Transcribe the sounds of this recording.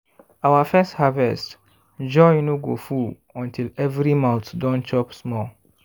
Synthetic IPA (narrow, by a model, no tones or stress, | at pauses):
awafɛsthavɛst | d͡ʒɔjnoɡo̰ful | ɔ̃ntʰilɛvɹimãʊ̃tdɔ̃nt͡ʃɔpsmɔl